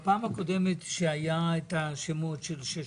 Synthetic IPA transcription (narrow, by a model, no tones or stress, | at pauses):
paːmako̞d̪emet̪ʃeajaet̪aʃemot̪ʃelʃe